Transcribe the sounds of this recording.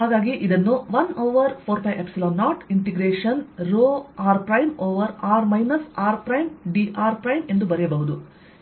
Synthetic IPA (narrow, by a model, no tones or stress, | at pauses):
ɦhaːɡaːɡiʔid̪ɐnːuʋɐnɐwʋɐɾpʰoːɾpɐjʔepsiloːnːaːʈiɳʈiɡɾeːʂɐnɾoːaːɾpɾɐjmoːʋɐɾaːɾmɐjnɐsaːɾpɾɐjmɖiʔaːɾpɾɐjme̞nd̪ubɐɾɛjɐbɐɦud̪u